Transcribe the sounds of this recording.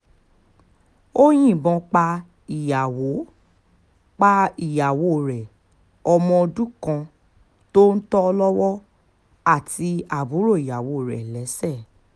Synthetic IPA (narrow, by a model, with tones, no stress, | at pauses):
o˦j̃ĩ˦˨bɔ̃˧k͡pa˧ | i˨ja˨wo˨˦ | k͡pa˦i˨ja˨wo˨˦˨ɾɛ˨ | ɔ˧mɔ̃˧o˧du˦kã˧ | to˦n̩˦tɔ˦ɔ˧lɔ˦wɔ˦ | a˦˨ti˧a˨bu˨˦ɾo˦˨i˨ja˨wo˨˦˨ɾɛ̰˨lɛ˨˦sɛ˦˨